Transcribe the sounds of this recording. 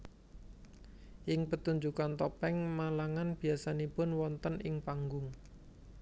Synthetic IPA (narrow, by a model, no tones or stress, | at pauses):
ʔɪŋpət̪uɲd͡ʒukant̪ɔpɛŋmalaŋanb̥i̤asanipʊnwɔnt̪ənʔɪŋpaŋɡʊŋ